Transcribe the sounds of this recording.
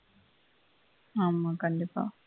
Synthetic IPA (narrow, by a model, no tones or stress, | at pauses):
aːmːakɐɳɖipa̰ː